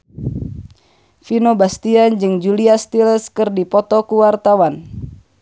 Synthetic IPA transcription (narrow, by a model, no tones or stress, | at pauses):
finobast̪iand͡ʒɨŋd͡ʒuliast̪ilskɨrdipɔt̪ɔkuwart̪awan